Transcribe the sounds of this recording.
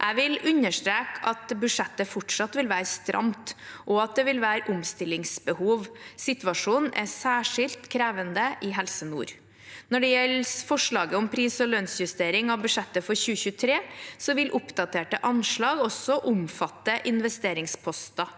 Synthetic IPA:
ʔæɪʋɪlʉɲəʂt̪ɾeːkʰɑt̪bʉʂɛt̪ːəfɔʈʂɑt̪ʋɪlʋæːɾəst̪ɾʔɑ̰mt̪ʔɔɑt̪̚d̪ɛʋɪlʋæːɾʔʊmst̪ɪlɪŋsbəhuːʋsɪt̪ʋɑʂuːnn̩ʔæsæːʂɪlt̪kʰɾeːʋənd̪əʔɪɦɛlsənṵːɾ | nɔɖɛjɛlfɔʂɭɑːɡəɔmpʰɾiːsɔlœnsjʉst̪eːɾɪŋɑʋbʉʂɛt̪ːəfɔɾçʉːəçʉːət̪ʰɾeːsɔʋɪlʔʊpd̪ɑt̪ʰeːʈəʔɑnʂɭɑːɡɔsːɔʔʊmfɑt̪ːəʔɪnʋɛst̪eːɾɪŋspʰɔst̪ɑ

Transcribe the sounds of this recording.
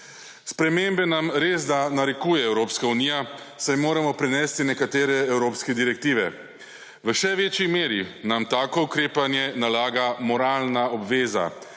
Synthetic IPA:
spɾɛmembɛnamɾezd̪anaɾɛkujɛɛwɾoːpskauniːja | sajmoːɾamɔpɾɛnɛːst̪inɛkat̪eːɾɛɛwɾoːpskɛd̪iɾɛk̚t̪iːʋɛ | ʋəʃɛʋeːt͡ʃjimeːɾinamt̪aːkɔukɾeːpanjɛnalaːɡamɔɾaːlnaɔbʋeːza̰

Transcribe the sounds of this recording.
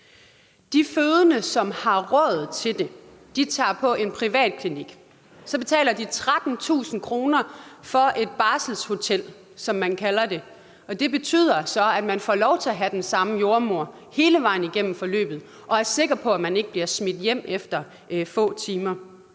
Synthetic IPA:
d̥iføːðˠənəsɒ̽mhɑ̈ʁɔ̰ːð̩ˠt͡sʰe̝ld̥e̝ | d̥it͡sʰɑ̰̈ːpʰɒ̽ʔe̝npʰʁiʋɛ̰ːd̥̚kʰliniɡ̥ | sɒ̽b̥e̝t͡sʰɛ̰ːlɐd̥it͡sʰʁad̥n̩t͡sʰṵːsn̩kʰʁo̝ːnɐfɒ̽e̝d̥̚b̥ɑ̈ːsl̩sho̝t͡sʰel̰ | sɒ̽mːænkʰælɐde̝ | ɒ̽d̥e̝b̥e̝t͡sʰy̰ːð̰ˠɐsɒ̽æd̥mænfɒ̰ːlɒʊt͡sʰe̝æɦæd̥ensɑ̈məjo̝ɐmo̝ɐ̰ | he̝ːləʋɑ̈ɪn̩iɡ̥en̰m̩fɒ̽lø̰ːb̥ð̩ˠ | ʔɒ̽æɐse̝ɡ̥ɐpʰɒ̽æmæne̝ɡ̥əb̥liɐsmed̥jem̰efd̥ɐ | fɔ̰̽ːt͡sʰiːmɐ

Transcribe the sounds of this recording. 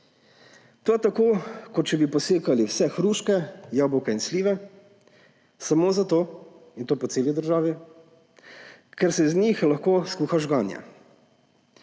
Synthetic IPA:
t̪oat̪akoːkɔt͡ʃɛbipɔseːkaliwsɛxɾuːʃkɛjabɔwkɛinsliːʋɛ | samoːzat̪oː | int̪oːpɔseːlid̪əɾʒaːʋi | kɛɾsɛznʲixlaxkoːskuːxaʒɡaːnja̰

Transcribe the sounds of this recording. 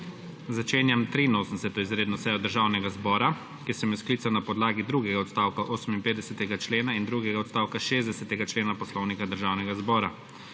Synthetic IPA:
zat͡ʃeːnjamt̪ɾiːnoːsnd̪ɛ̥sɛt̪ɔizɾeːd̪nɔsɛjɔd̪əɾʒaːwnɛɡazbɔːɾa | kiɛsɛmjisklit̪sanapɔd̪laːɡid̪ɾuɡɛɡaɔt̪st̪aːwkaʔoːsəminpeːd̪ɛsɛt̪ɛɡat͡ʃleːnaind̪ɾuːɡɛɡaɔt̪st̪aːwkaʃeːzd̪ɛsɛt̪ɛɡat͡ʃleːnapɔslɔwnikad̪əɾʒaːwnɛɡazbɔːɾa

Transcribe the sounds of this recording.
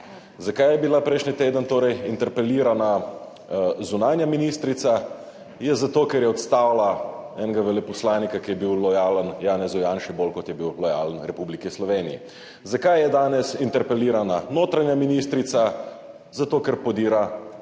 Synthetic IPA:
zakajɛbilapɾɛjʃnit̪eːd̪ənt̪oːɾɛjint̪ɛɾpɛliːɾana | zunaːnjaminiːst̪ɾit̪sa | jɛzat̪oːkɛɾjɛɔt̪st̪aːwlaɛnɛɡaʋɛlɛpɔslaːnikakijɛbiwlɔjaːlənjaːnɛzujaːnʃɛbolkɔt̪jɛbiwlɔja̰ːlənɾɛpublikislɔʋeːnḭjḭ | zakajjɛd̪aːnɛsint̪ɛɾpɛliːɾananoːt̪ɾanjaminiːst̪ɾit̪sa | zat̪oːkɛɾpɔd̪iːɾa

